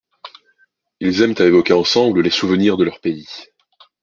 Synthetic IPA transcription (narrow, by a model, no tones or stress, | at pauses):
ilzɛmt̪aevɔkʲeɑ̃sɑ̃bləlesuvəniʁd̪əlœʁpei